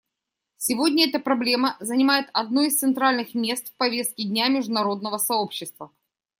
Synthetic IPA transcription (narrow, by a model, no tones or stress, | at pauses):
sʲɪvodʲnʲəɛt̪əpɾɐblʲe̞məzənʲɪmajɪt̪ɐd̪nuist̪sɨnt̪ɾalʲnɨxmʲe̞st̪fpɐvʲe̞st̪̚kʲɪdʲnʲamʲɪʐd̪ʊnɐɾo̞d̪̚nəvəsɐopɕːɪst̪və